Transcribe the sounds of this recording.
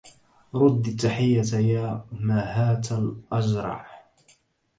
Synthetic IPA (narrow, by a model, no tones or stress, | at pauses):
ɾˤʊd̪ːt̪ːaħɪjːat̪jaːmaːhaːt̪alʔad͡ʒɾˤɑ̰ʕ